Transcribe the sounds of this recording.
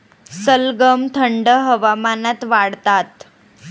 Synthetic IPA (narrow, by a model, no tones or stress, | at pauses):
səlɡəmt̪ʰəɳɖəɦəʋamanat̪ʋaɽt̪at̪